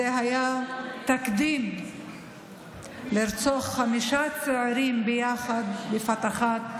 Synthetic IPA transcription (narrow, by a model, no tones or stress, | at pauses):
eɦajat̪akd̪im | liɾt͡soχːamiʃat͡seʕaɾimbejaχad̪befat̪aχat̪̚